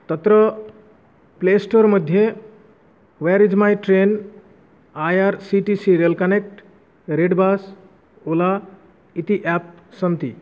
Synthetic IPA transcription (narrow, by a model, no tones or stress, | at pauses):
t̪ət̪ɾə | plesʈoɾməd̪ʱje | ʋɛɾizmajʈɾen | ajaɾsiʈisiɾiəlkənek̚ʈ | ɾeɖbas | ola | it̪iʔɛp̚ | sənt̪ḭ